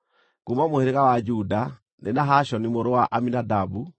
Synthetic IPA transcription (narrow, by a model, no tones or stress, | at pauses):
kumamoheɾeɣawad͡ʒuda | nenaɦaʃɔnimoɾowaʔaminadabu